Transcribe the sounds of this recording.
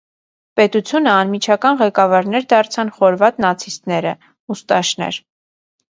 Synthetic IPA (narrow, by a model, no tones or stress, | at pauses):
pɛt̪ut͡sʰjunəɑnmit͡ʃʰɑkɑnʁɛkɑvɑɾnɛɾd̪ɑɾt͡sʰɑnχɔɾvɑt̪nɑt͡sʰist̪nɛɾə | ust̪ɑʃnɛ̰ɾ